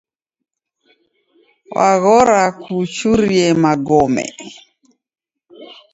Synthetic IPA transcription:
wʔaɣɔɾakʰut͡ʃuɾiɛmaɡɔmɛ̰

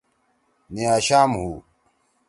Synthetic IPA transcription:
niaːɕaːmɦuː

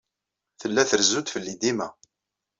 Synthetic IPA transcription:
θəlːæθəɾzːud̪fəlːid̪imæ

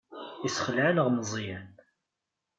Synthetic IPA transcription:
isχəlʕaləʁməzˤjən

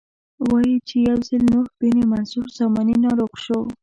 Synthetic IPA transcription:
wɑjit͡ʃejawzəlnohb̥inemansuɾzɑmɑninɑɾoqʃo

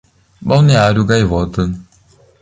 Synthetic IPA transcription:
bawneaɾjuɡajvɔt̪ə

